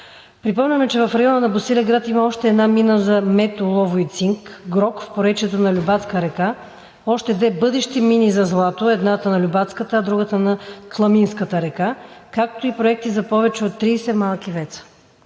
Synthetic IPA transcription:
pɾipɔmlʲɐmɛt͡ʃɛvɐfɾɐjɔnənɐbosilʲɛɡɾat̪imɐɔʃt̪ɛːd̪naminəzɐmɛt̪olˠɔvoit̪siŋkɡɾɔkfpoɾɛt͡ʃɛt̪onɐlʲubat̪skəɾɛka | ɔʃt̪ɛd̪vɛbɤd̪ɛʃt̪iminizɐzlˠat̪oɛd̪nat̪ənɐlʲubat̪skət̪əːd̪ɾuɡət̪ənɐklˠɐminskət̪əɾɛkakak̚t̪oipɾoɛk̚t̪izɐpɔvɛt͡ʃɛot̪ːɾiːsɛmalˠkivɛt̪sə̥

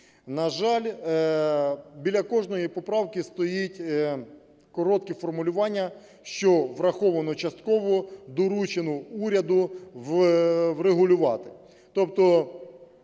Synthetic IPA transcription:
nɐʒɑlʲ | bʲilʲɐkɔʒnɔjipɔpɾɑwkist̪ɔjitʲ | kɔɾɔt̪̚kifɔrmʊlʲʊʋɑnʲːɐ | ʃt͡ʃɔʋɾɐxɔʋɐnɔt͡ʃɐst̪kɔʋɔd̪ɔɾut͡ʃenʊuɾʲɐd̪ʊ | ʋɾeɦʊlʲʊʋɑt̪ɪ̥ | t̪ɔp̚t̪ɔ

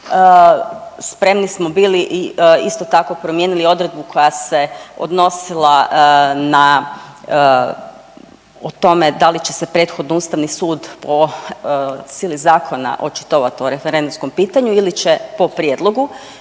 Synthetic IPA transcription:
spɾe̞mnismobiːliʔiist̪o̞t̪ako̞pɾo̞mje̞ːnilio̞d̪ɾe̞d̪̚bukʰo̞jase̞o̰d̪no̞silˠa | na | ot̪o̞me̞d̪alit͡ɕe̞se̞pɾe̞ːt̪xo̞d̪nouːst̪aʋnisuːd̪po | siːlizaːkʰo̞na̰ʔo̞t͡ʃi̥t̪oʋat̪ioɾe̞feɾend̪umsko̞mpiːt̪aɲuilit͡ɕepo̞pɾjed̪lˠoɡu

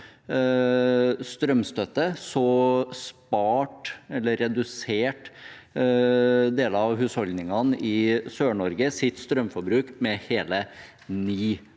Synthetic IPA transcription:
st̪ɾœmst̪œt̪ːəsɔspɑːʈɛlːəɾɛd̪ʉseːʈ | d̪eːləɑʋɦʉːshɔld̪nɪŋɑnʔɪsøːɳɔɾɡəsɪt̪st̪ɾœmfɔɾbɾʉːkmɛheːlə | niː

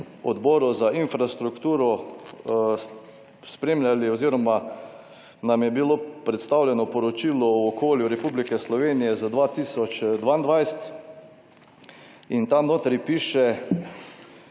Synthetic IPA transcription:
ɔd̪bɔːɾɔzaʔinfɾast̪ɾukt̪uːɾɔ | spɾemlʲjalioziːɾɔma | namjɛbiloːpɾɛt̪st̪awlʲjɛnɔpɔɾɔt͡ʃiːlɔɔːkʰoːljuɾɛpublikɛslɔʋeːnijɛzad̪ʋat̪iːsɔt͡ʃd̪ʋaːnd̪ʋajsɛt̪ | int̪amnoːt̪ɾjpiːʃɛ

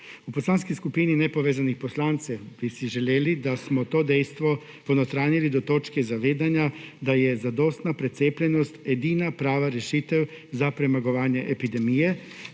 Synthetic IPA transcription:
uposlaːnskiskupininɛpoʋeːzanixposlaːnt̪sɛbisiʒɛleːlid̪asmɔt̪oːd̪ɛjst̪ʋɔ | ponot̪ɾaːnilid̪ɔt̪oːt͡ʃkɛzaʋeːd̪anjad̪ajɛzad̪ost̪napɾɛt̪seːplʲɛnɔst̪ed̪iːnapɾaːʋaɾɛʃit̪ɛw | zapɾɛmaɡoʋaːnjɛʔepid̪ɛmijɛ

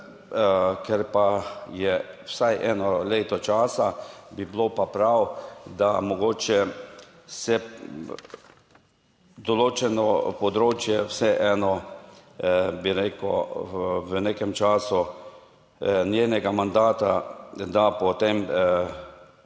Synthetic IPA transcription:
kɛɾpajɛwsajʔɛːnɔleːt̪ɔt͡ʃaːsabiblopapɾawd̪amɔɡoːt͡ʃɛ | sɛ | d̪ɔloːt͡ʃɛnɔpɔd̪ɾoːt͡ʃjɛwsɛʔɛːnɔ | biɾeːkɔ | wənekɛmt͡ʃaːsʊ | njeːnɛɡamand̪aːt̪ad̪apɔt̪em

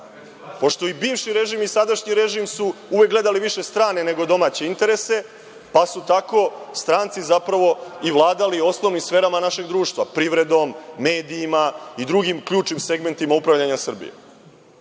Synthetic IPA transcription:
po̞ʃt̪o̞ibiːʋʃiɾe̞ʒimisad̪aʃɲiɾe̞ʒimsuuʋe̞k̚ɡle̞d̪aliʋiʃe̞st̪ɾaːne̞ne̞ɡo̞d̪o̞maːt͡ɕe̞int̪e̞ɾese̞ | pasut̪ako̞st̪ɾaːnt̪sizapɾaʋo̞iʋlˠaːd̪alio̞snoʋnimsfe̞ːɾamanaʃe̞ɡd̪ɾuːʃt̪ʋapɾiʋɾe̞d̪o̞mːe̞ːd̪iːmaid̪ɾuɡimkʎuːt͡ʃnimse̞ɡme̞nt̪imaupɾaʋʎaɲasr̩bḭjḛ

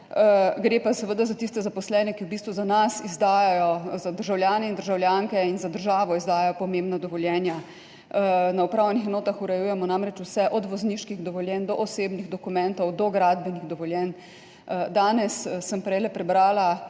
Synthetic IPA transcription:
ɡɾeːpasɛʋəd̪azat̪ist̪ɛzapɔslɛːnɛkiwbiːst̪ʋuzanasizd̪aːjajɔzad̪əɾʒawljaːnɛind̪əɾʒawljaŋkɛinzad̪əɾʒaːʋɔizd̪aːjajɔpɔmembnad̪ɔʋɔljɛːnja | naupɾaːwjɛnixɛnoːt̪axuɾɛjuːjɛmɔnamɾɛt͡ʃuwsɛʔɔd̪ʋɔzniʃkiɣd̪ɔʋɔljɛnd̪ɔʔɔseːbniɣd̪ɔkumɛ̃nt̪ɔwd̪ɔɡɾad̪bɛniɣd̪ɔʋɔljɛn | d̪aːnɛsːəmpɾɛjlɛpɾɛbɾaːla

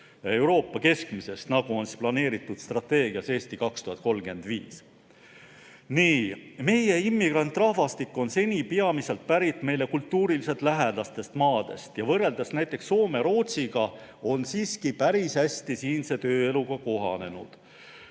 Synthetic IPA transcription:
e̞wɾo̞ːpːɑke̞skmise̞st̪nɑɡ̥uo̞nsi̥splɑne̞ːɾit̪ːˑud̪̥st̪rɑt̪ːe̞ːɡ̥iɑse̞ːsʲt̪ikɑkst̪uhɑt̪̚ˑko̞lɡe̞nd̪̥vḭːs | niːme̞je̞imːiɡ̥rɑnt̪ːˑrɑhvɑst̪ikːˑo̞nse̞nʲipeɑmise̞lt̪̚pæɾit̪ːˑme̞jle̞kult̪ːuːɾilise̞t̪ˑlæɦed̪̥ɑst̪e̞st̪mɑːd̪̥e̞̰st̪jɑvɤrːe̞ld̪̥ɑsnæjt̪ːˑe̞ksːo̞ːme̞ɾo̞ːt̪siɡ̥ɑ | o̞nsiːskipæɾisæsʲt̪isiːnse̞t̪øːe̞luɡ̥ɑko̞ɦɑ̰ne̞nṵd̪̥

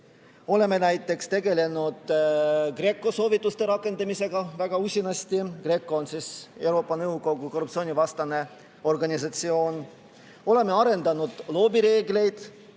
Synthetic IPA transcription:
o̞le̞me̞næjt̪ːˑe̞kst̪e̞ɡe̞le̞nud̪̥kre̞kːˑo̞so̞ːvit̪ˑːust̪e̞ɾɑkˑːe̞nd̪ɑmise̞ɡ̥ɑvæɡ̥ɑusʲinɑst̪ikre̞ːkˑːoonsise̞wɾo̞ːpːˑɑnɤwɡo̞ɡ̥uko̞rːupt̪sio̞ːnʲivɑst̪ɑne̞ | o̞rɡɑnʲisɑt̪sio̞ːn | o̞le̞me̞ɑɾe̞nd̪̥ɑnud̪̥lo̞ːbiɾe̞ːɡle̞jd̪̥

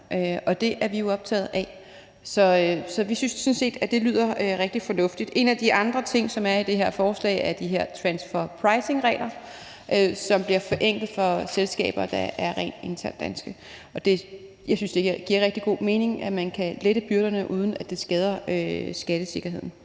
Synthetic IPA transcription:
ʔøɒ̽d̥e̝ʔæɐʋijo̝ɒ̽b̥̚t͡sʰɛ̰ːð̞̩ˠæ | sɒ̽sɒ̽ʋisynssɔ̽nse̝̰ːd̥æd̥e̝lyð̞̰ˠɐøʁɛɡ̥̚d̥ifɒ̽nɔ̽fd̥id̥e̝næd̥iʔɑ̈nd̥ʁɐt͡sʰe̝ŋ̰sɒ̽mæɐid̥e̝ɦe̝ɐ̰fɒːslɛ̰ɪæɐd̥iɦeɐ̰t͡sʰʁænsfɒpʰʁɑ̈ɪse̝ŋʁɛ̰ːlʔɐ | ʔøsɒ̽mb̥liɐfɒ̽ʔeŋ̰ɡ̥ð̩ˠfɒ̽selsɡ̥ɛ̰ːb̥ɐːd̥ɑæɐʁɛ̰ːnd̥e̝nt͡sʰæɐnd̥ænsɡ̥ə | ʔɒ̽d̥e̝ | jɑ̈ɪsynsd̥eɡɡ̥iɐ̰ʁeɡ̥̚d̥iɡ̥o̝̰ːme̝ːne̝ŋæmænkʰæleɾ̥əb̥yɐɾ̥ɐnəʔuːð̞ˠn̩æd̥e̝sɡ̥ɛːð̞ˠɐøsɡ̥æɾ̥əse̝ɡ̥ɐɦe̝ð̰ˠn̩

